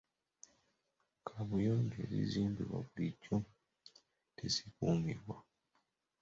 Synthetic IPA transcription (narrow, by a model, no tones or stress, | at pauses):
kʰaβujoːɲɟeɾḭziːmbiβwa̰βulicːo | tesikuːmiɾwa